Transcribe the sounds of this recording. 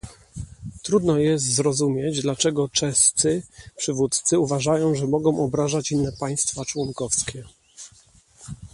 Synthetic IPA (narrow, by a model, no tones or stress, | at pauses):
t̪ɾud̪nɔjɛs̬t̪zɾɔzumʲjɛd͡ʑd̪lat͡ʂɛɡɔt͡ʂɛst̪sɘpʂɘvut̪t̪sɘuvaʐajɔ̃w̃ʐɛmɔɡɔ̃w̃ʔɔbɾaʐat͡ɕinːɛpaj̃st̪fat͡ʂwɔnkɔfskʲɛ